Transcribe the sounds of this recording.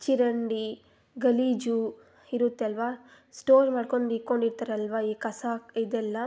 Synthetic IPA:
t͡ʃiɾɐɳɖi | ɡɐliːd͡ʒu | iɾut̪ːeɐlʋa | sʈoːɾmaːɖko̞ɳɖiko̞ɳɖiɾt̪aɾeɐlʋaiːkɐsaid̪ɛlːɐ

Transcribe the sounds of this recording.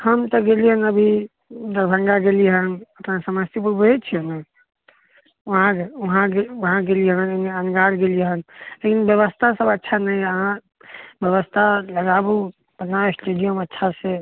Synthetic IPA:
həmt̪əɡeliɦənəbʱi | d̪əɾbʱə̃ŋɡaɡeliɦənəpnasəməst̪ʰipəbet͡ʃʰiəne | əɦãkeuɦãɡeuɦãɡeliɦəneneənɡaɾɡeliɦənlekinbjəβəst̪ʰasəbətːʃʰanəjəɦã | bjəβəst̪ʰaləɡabu | b̥ənaesʈeɖijəmətːʃʰase

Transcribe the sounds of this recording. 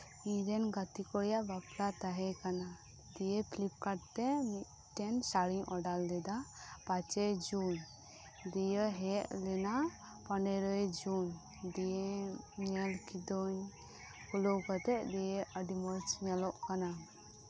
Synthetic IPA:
iɾɛnɡat̪ikɔɽjaʔbapɾat̪aɦɛkana | d̪ijepʰlip̚kaɖ̚t̪ɛmit̪ | ʈɛnsaɽiŋʔɔɖald̪ɛd̪apat͡ʃɔd͡ʒun | d̪ijəɦɛʔlɛna | pɔnɛɾɔjd͡ʒun | d̪ijeɲɛlkid̪ɔɲ | kulɔwkat̪ɛʔd̪ijeʔəɖimɔɾt͡ʃɲɛlɔʔkana

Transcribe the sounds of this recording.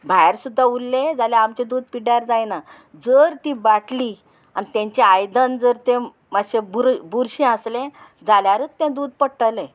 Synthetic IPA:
bʱajɾsud̪ʱːaulːẽd͡zaljeamt͡ɕed̪uːd̪piɽjaɾd͡zajna | d͡zəɾt̪ibaʈli | a̰nit̪ãɲt͡ɕeajd̪ənd͡zəɾt̪ẽ | maɕebuɾbuɾɕẽəslẽ | d͡zaljaɾət͡st̪ɛ̃d̪uːd̪̚pəɽʈəlẽ

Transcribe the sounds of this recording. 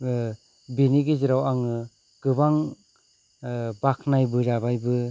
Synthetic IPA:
biniɡeziɾawaŋɯ | ɡ̥ɯbaŋ | bakʰnajbɯzabajbɯ

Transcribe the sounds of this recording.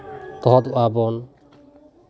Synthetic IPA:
t̪ɔɦɔd̪uabɔn

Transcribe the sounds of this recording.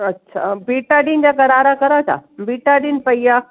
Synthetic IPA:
ɐtːɕʰa̰biːʈaɖĩnd͡ʑakɐɾaːɾakɐɾatʰa̰biːʈaɖinpɐija

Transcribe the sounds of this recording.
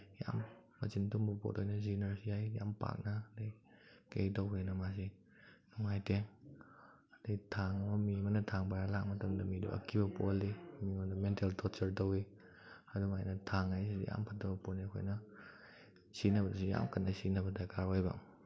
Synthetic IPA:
ja̰mː | ɐ̰zintumbɐpo̰tʰojnɐzinɐɾsijajja̰mpa̰k̚nɐdakḛjtowkejnɐmasi | nuŋajteŋ | detʰaŋɐmɐmimɐnɐtʰaŋbajalak̚mɐtɐmdɐmidṵʔɐ̰kʰibɐpolːimiŋondɐmenteltʰɔt͡ʃɐɾtowi | ɐduŋajnɐtʰaŋajsidḭja̰mpʰat̚ːɐbɐponiɐkʰo̰jnɐ | sinɐbɐdusija̰mkʰandasinɐbɐdakaɾwajba̰

